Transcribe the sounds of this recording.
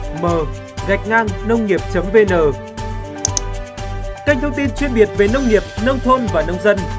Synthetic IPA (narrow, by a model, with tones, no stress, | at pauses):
məː˨˩ | ɣa˨˩jk̟̚ŋaː˧ŋnə˧wŋ͡mŋi˨˩əp̚t͡ɕə˨˦mve˧nəː˨˩ | ka˧jŋ̟t̪ʰə˧ŋ͡mt̪i˧nt͡ɕwi˧ənɓi˨˩ət̚ve˨˩nə˧wŋ͡mŋi˨˩əp̚nə˧wŋ͡mt̪ʰo˧nvaː˨˩nə˧wŋ͡mzə˧n